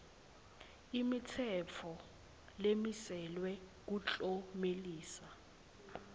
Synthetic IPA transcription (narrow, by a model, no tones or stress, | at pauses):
imitʰɛt͡fʰɔ | lemisɛlwɛk̬ut͡ɬʼomeliːsa